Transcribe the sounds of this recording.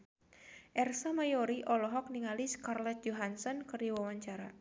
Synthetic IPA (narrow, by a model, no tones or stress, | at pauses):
ʔɛrsamajɔɾiʔɔlɔɦɔk̚niŋaliskarlɛt̪̚d͡ʒɔɦansɔnkərdiwawaɲt͡ʃaɾa